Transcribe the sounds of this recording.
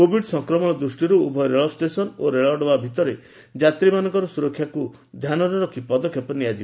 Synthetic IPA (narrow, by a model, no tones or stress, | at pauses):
kobʱiɖsɔŋkɾɔmɔɭ̃ɔd̪ɾusʈiɾuubʱɔjɾeɭɔsʈesɔnoɾeɭɔɖɔbabʱit̪ɔɾe | d͡ʒat̪ɾimanɔŋkɔɾɔsuɾɔkʰːjaku | d̪ʱjanɔɾɔɾɔkʰipɔd̪ɔkʰjɔpɔniad͡ʒib